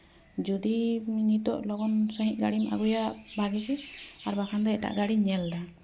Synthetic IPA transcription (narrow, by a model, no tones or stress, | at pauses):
d͡ʒud̪iɲit̪ɔʔlɔɡɔnsaɦiʔ̚ɡaɽimʔa̰ɡujaʔbʱaɡɛkɛaɾbakʰand̪ɛɛʈa̰ʔɡaɽiɲɛld̪a